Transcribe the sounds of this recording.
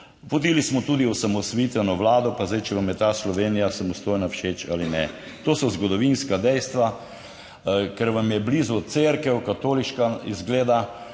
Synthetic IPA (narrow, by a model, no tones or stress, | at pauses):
pɔt̪iːlismɔt̪uːd̪iɔsamɔsʋit̪ɛnɔʋlaːd̪ɔpazd̪ajt͡ʃɛʋamjɛt̪aːslɔʋeːnijasamɔst̪oːjnawʃeːt͡ʃa̰ːlinɛ̰ | t̪oːsɔzɡɔd̪ɔʋinskad̪ɛjst̪ʋa | kɛɾʋamjɛblizuseɾkɛwkat̪oːliʃkaizɡleːd̪a